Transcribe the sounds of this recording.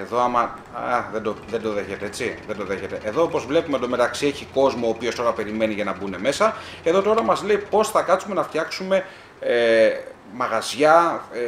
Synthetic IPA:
eðo̞ɐmɐ | aðend̪oðe̞nd̪o̞ðe̞çe̞t̪e̞et͡siðend̪o̞ðe̞çet̪e̞ʔeðoopo̞zvle̞pumed̪ome̞t̪ɐksie̞çiko̞zmoːpiost̪o̞ɾɐpe̞ɾime̞niʝɐnɐbune̞me̞sɐe̞ðo̞t̪o̞ɾɐmɐzle̞ipo̞sθɐkɐt͡sume̞nɐft̪çɐksume̞ | mɐɣɐzʝɐ

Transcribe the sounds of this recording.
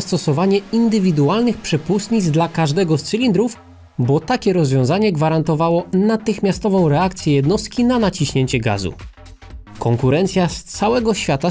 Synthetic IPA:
st̪ɔsɔvaɲɛind̪ɘvʲid̪ualnɘxpʂɛpust̪ɲid̪zd̪lakaʐd̪ɛɡɔst̪sɘlʲind̪ɾuf | bɔt̪akʲɛɾɔzvʲjɔ̃zaɲɛɡvaɾant̪ɔvawɔnat̪ɘxmʲjast̪ɔvɔ̃w̃ɾɛakt̪sʲjɛjɛd̪nɔst̪̚kʲinanat͡ɕiɕɲeɲt͡ɕɛɡa̰zṵ | kɔŋkuɾɛnt̪sʲjast̪sawɛɡɔɕfʲjat̪a

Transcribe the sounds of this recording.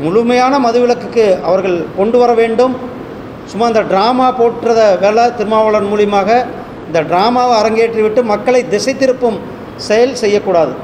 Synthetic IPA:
mʊɻʊmɐjaːnɐmɐðɯʋɪlɐkːɯkːɯɐʋɐɾɣɐɭkɔɳɖɯʋɐɾɐʋeːɳɖɯm | sʊmːaːɪnd̪ɐɖɾaːmaːpoːʈrɐðɐʋeːɭɐt̪ɪɾɯmaːʋɐɭɐnmuːɭɪmaːɣɐ | ɪnd̪ɐɖɾaːmaːʋɐɾɐŋɡeːʈriʋɪʈːɯmɐkːɐɭɐɪd̪ɪsɐɪt̪ːɪɾɯpːɯm | sɛjɐlsɛjːɐkːuːɽaːðɯ

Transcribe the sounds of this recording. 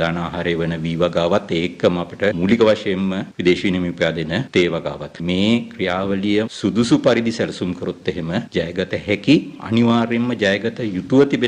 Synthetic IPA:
aːnaːɦaɾeːʋənəʋiːʋaɡaːʋat̪ːeːkːəməapəʈəmulikəʋaʃɐjemːəʋid̪eːʃʋiːnemiupəjaːd̪enət̪eːʋaɡa̰ːʋat̪meːkrijaːʋəlijəsud̪usupaɾid̪isɛlɐsuŋkəɾot̪ːeɦeməd͡ʒajəɡɐt̪əhɛkiɐ̰niʋaːɾemːəd͡ʒajəɡɐt̪əjut̪uʋət̪ibe

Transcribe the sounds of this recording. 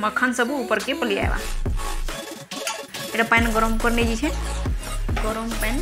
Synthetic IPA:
məkʰːənsəbʱuupəɾkepəlija̰ḛba̰ | eʈapanɡɔɾɔmkəɾned͡ʒit͡ʃʰɛ | ɡɔɾompan

